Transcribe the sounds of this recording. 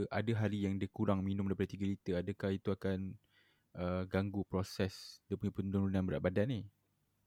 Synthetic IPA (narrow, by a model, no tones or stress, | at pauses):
ʔa̰dəɦaɾijaŋdiəkuɾaŋminʊ̃mdajpadət̪iɡəlit̪əadəkahit̪uakan | əɡaŋɡupɾɔsɛsdiəpuɲãpəd̪uɾunãnbəɾa̰ʔ̪̚badani